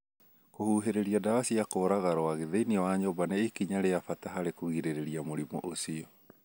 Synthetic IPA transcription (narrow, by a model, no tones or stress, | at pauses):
kohuɦeɾeɾiadawasiakoːɾaɣaɾɔaɣeðeiniɔwaɲɔbanaekiɲaɾejafataɦaɾekoɣiɾeɾeɾiamoɾimɔ̰ʔosiɔ